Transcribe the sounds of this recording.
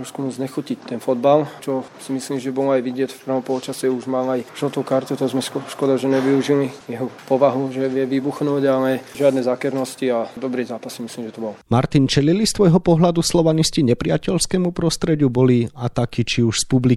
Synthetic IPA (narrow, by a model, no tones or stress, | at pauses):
ɾɔskumuzɲɛxucic̚t̪ɛnfɔd̪balt͡ʃɔsimisliːmʒɛbɔlɔajʋiɟɪɛc̪fpr̩ʋɔmpɔlɔt͡ʃasɛuʒmaːlajʒɔt̪ukaɾt̪ut̪ɔzmɛɔʃkɔd̪aʒɛɲɛʋiuʒilijɛɦɔpɔʋaɦuʒɛʋɪjɛʋibuxnuːɟalɛʒɪad̪nɛzaːkɛɾnɔsciad̪ɔbɾizaːpasːimisliːmʒɛt̪ɔbɔlɔmaɾt̪int͡ʃɛlilist̪ʋɔjɦɔpɔɦlad̪uslɔʋanisciɲɛpɾɪacɛʎskɛːmupɾɔst̪ɾɛɟubɔliat̪akit͡ʃiuʃspubli